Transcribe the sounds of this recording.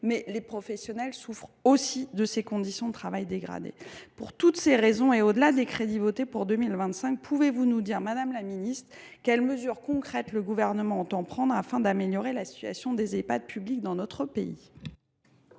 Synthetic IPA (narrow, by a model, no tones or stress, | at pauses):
mɛlepχɔfɛsjɔnɛlsufχosid̪əsekɔ̃d̪isjɔ̃d̪ət̪χavajd̪eɡʁa̰d̪ḛpuʁt̪ut̪seʁezɔ̃eod̪əlad̪ekχed̪ivot̪epuʁd̪əmilvɛ̃t̪sɛ̃k̚pʰuvevunud̪iʁmad̪amlaminist̪χ | kɛlməzyʁkɔ̃kχɛt̪ləɡuvɛʁnəmɑ̃ɑ̃t̪ɑ̃pχɑ̃d̪ʁafɛ̃d̪ameljɔʁelasi̥t̪ɥa̰sjɔ̃d̪ezepa̰d̪̚pyblik̚d̪ɑ̃nɔt̪χəpeḭ